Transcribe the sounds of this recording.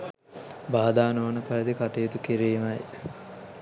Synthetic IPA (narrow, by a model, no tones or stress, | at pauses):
baːd̪aːnoʋnəpɐɾəd̪ikat̪ejet̪ukiɾiːmɐj